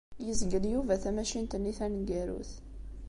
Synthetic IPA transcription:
jəzəɡəljuvæθæmæʃint̪ənːiθænəɡæɾṵθ

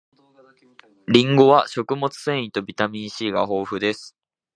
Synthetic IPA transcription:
ɾʲĩŋɡo̞βaɕo̞kɯ̟mo̞t͡sɨ̥sẽ̞ɰ̃ĩt̪o̞bʲit̪amʲĩɰ̃ɕiːɡa̰ɦo̞ːɸɯ̟d̪e̞sɨ̥

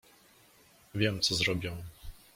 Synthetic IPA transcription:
vʲjɛmt̪sɔzɾɔbʲjɔ̃w̃

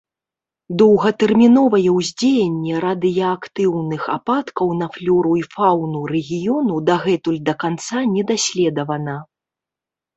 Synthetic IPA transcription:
d̪ɔwɣɐt̪ɛrmʲinɔvɐjɛwzʲd͡zʲejɛnʲːɛɾad̪ɨjɐːkt̪ɨwnɨxapat̪kɐwnɐflʲɔɾuifawnuɾɛɣʲijɔnud̪ɐɣɛt̪ulʲd̪ɐkant̪sanʲɛd̪asʲlʲɛd̪ɐvɐnɐ

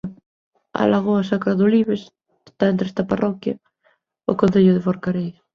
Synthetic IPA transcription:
a̰laɣ̞oasakɾaðoliβes | t̪aent̪ɾest̪aparʔɔkja̰ | o̰kon̟θeʎoðefoɾkaɾes

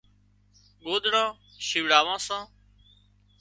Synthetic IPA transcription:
ɠoːd̪ɽãː | ʃiːʋɽaːʋãːsãː

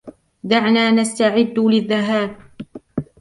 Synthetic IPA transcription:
d̪aʕnaːnast̪aʕɪd̪ːlɪðːaɦaːb̚

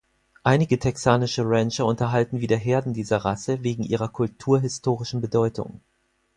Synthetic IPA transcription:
ʔaɪnɪɡətʰɛksaːnɪʃəʁɛnʃɐʊntɐɦaltn̩viːdeːɐɦeːɐdn̩diːzɐʁasəveːɡŋ̩ʔḭːʁɐkʰʊltʰuːɐɦɪstʰoːʁɪʃn̩bədɔʏtʰʊ̰ŋ

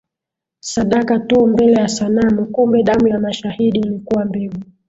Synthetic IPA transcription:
saɗakatuːmbɛlɛjasanamukumbɛɗamujamaʃahiɗiːlikuwambɛɡu

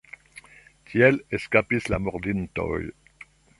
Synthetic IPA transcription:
t̪ʰjɛlɛskapislamɔʁd̪int̪ɔ̰j

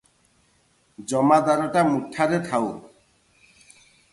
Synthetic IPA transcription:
d͡ʒɔmad̪aɾɔʈamuʈʰːaɾet̪ʰaw

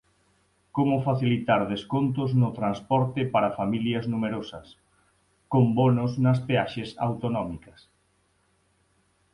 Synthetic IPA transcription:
komʊfaθilit̪aɾðeskont̪ʊznʊt̪ɾanspɔɾt̪ɪpaɾɐfamiljɐznumeɾosɐs | kombɔnʊznɐs̬peaʃesa̰wt̪onɔmikɐs

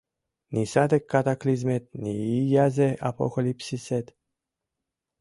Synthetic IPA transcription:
nisat̪ekːat̪aklizmet̪̚nʲiijazeʔa̰po̰xalʲipsiset̪

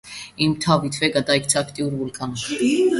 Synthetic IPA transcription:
imt̪ʰɑvit̪ʰvɛɡad̪ɑjkt͡sʰɑkt̪ʼiuɾvulkʼɑn

